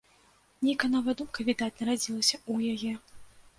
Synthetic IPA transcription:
nʲijkɐnɔvɐjɐd̪umkɐvʲid̪at̪ʲnɐɾad͡zʲilˠɐsʲɐujajɛ

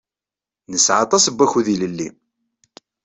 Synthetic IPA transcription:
nəsʕɑ̰t̪ˤɑsəbːæçuðiləlːi

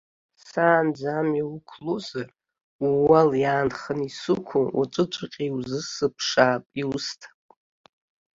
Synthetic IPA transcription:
saːnd͡zamiwukʷʰlozar | uwaljaːnχənisukʷʰʊʔa̰t͡ʃʷʼɨt͡ʃʷʼaqʲʼiwzɨsɨpʰʂaːpʼiustʰḁ

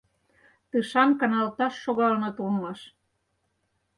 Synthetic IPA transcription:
t̪ɯʃɑnkɑnɑlt̪ɑʃːoɣɑlnɤt̪ulmɑʃ

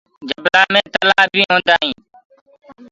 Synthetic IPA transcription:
d͡ʒəblaːmẽːt̪əlaːbʱĩːɦõːnd̪aːɦĩː

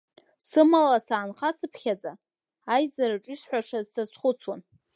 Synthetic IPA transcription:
sɨmalasaːnχat͡sʰɨpʰχʲad͡zʼaː | jzaɾaʈ͡ʂʼiʂħʷaʂazsazχʷʊt͡sʰwan

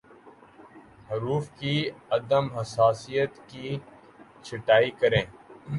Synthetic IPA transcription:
ɦɐɾuːfkiɐd̪əmɦɐsaːsijət̪ki | t͡ʃʰɪʈaːikɐɾẽː

